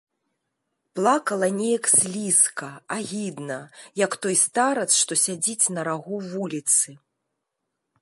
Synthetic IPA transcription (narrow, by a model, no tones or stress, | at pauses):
plˠakɐlˠɐnʲejɐksʲlʲiskɐaɣʲid̪nɐjɐkt̪ɔjst̪aɾɐt̪sʂt̪ɔsʲad͡zʲit͡sʲnɐɾaɣuvulʲit̪sɨ